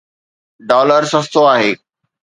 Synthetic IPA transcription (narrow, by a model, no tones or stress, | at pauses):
ɖɔːləɾsɐ̃st̪oaːɦeː